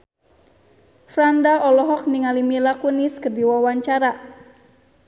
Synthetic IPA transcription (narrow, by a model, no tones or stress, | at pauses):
fɾandaɔlɔɦɔk̚niŋalimilakuniskərdiwawaɲt͡ʃaɾa